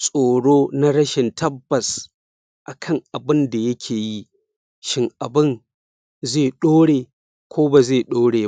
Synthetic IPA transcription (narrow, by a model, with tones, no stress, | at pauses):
sʼoː˨ɽoː˦na˦ɽɐ˦ʃɪ˨ntʰɐ˦bːɐ˨s | ʔa˨kʰɐ˦ŋʔa˨bɪ˦nda˨jɐ˦kʲʰeː˨ji˦ | ʃɪ˦ŋʔa˨bɪ˦n | zeː˦˨ɗoː˦ɽeː˨ | kʷoː˦ba˨zeː˦˨ɗoː˦ɽeː˨